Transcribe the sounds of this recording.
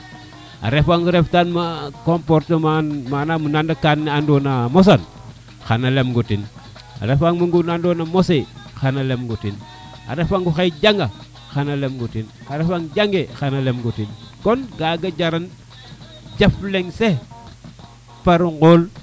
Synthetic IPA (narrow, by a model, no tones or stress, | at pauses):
a̰ɾefaŋɡuɾeftanmakompoɾtemamanamunandakanːeandonamos̬an | xanalemɡutin | a̰ɾefaŋmuŋɡunandonamosexanalemɡutin | a̰ɾefaŋɡuxejd͡ʒaŋɡa | xanalemɡutin | aɾefaŋd͡ʒaŋɡexanalemɡutinkonɡaɡad͡ʒaɾan | d͡ʒafleŋse | paɾuɡol